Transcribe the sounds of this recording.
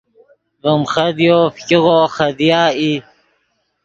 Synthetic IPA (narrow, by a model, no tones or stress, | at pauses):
vəmχɐd̪joːfkiɣoːxɐd̪jaːi